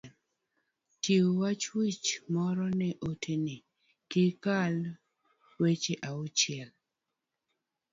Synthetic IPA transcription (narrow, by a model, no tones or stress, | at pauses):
tiwwat͡ʃwit͡ʃmɔɾɔnɛʔotʰeni | kɪkal | wet͡ʃeʔaʊt͡ʃɪɛl